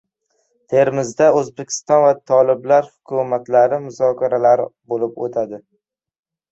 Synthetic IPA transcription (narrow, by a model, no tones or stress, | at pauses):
t̪ʰe̞ɾmɪzd̪aɵzbekʲʰɪ̥st̪ɒnvat̪ʰɒlˠɪblaɾhʊkʰʊmat̪laɾɪmʊzɒkʰʲaɾalaɾɪbolɪpo̰t̪ʰad̪ɪ